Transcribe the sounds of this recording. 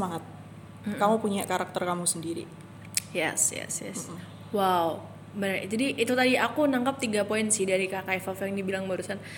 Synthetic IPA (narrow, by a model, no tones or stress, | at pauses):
smaŋat̪̚ | m̩kamupuɲakaɾak̚t̪ərkamusəndiɾḭ | jɛ̰sjɛ̰sjɛ̰s | waw | bənərd͡ʒadiʔːt̪ut̪adiakunaŋkap̚t̪iɡapoɪnsɪhdaɾikakaifafjaŋdibilaŋbaɾusan